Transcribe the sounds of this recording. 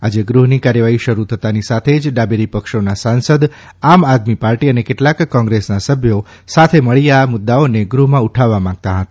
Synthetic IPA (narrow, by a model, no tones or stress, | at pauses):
ad͡ʒeɡɾuɦnikaɾjəʋaɦiʃəɾut̪ʰət̪anisat̪ʰed͡ʒɖabeɾipəkʃonasãnsəd̪ | amad̪mipaɾʈiənekeʈlakːɔ̃ŋɡɾesnasəbʱjo | sat̪ʰeməɭiamʊd̪ːaoneɡɾuɦmãuʈʰaʋːamãŋɡ̚t̪aɦət̪ḁ